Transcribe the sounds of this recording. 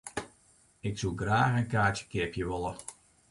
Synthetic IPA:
ɪksulˠɡraːxənkaːtjə̥kɪəpjəʋolˠə

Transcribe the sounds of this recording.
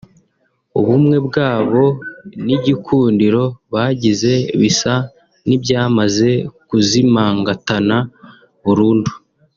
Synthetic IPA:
uβumŋe̞bɡaːβo̞niɟikʰuːndiɾo̞βaːɟize̞βisa | nibjaːmaze̞kuzimaːŋɡatana | βuɾuːndu

